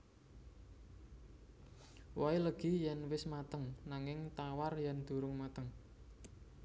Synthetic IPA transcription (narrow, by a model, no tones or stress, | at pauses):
wailəɡ̥i̤jɛnwɪsmat̪əŋnaŋɪŋt̪awarjɛnd̪̥ṳɾʊŋmat̪əŋ